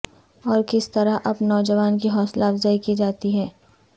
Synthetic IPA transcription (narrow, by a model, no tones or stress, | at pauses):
ɔːɾkɪst̪ɐɾaɦʔɐbnɔːd͡ʒəʋaːnkiɦɔːslaːfzaːikid͡ʒaːt̪iɦɛː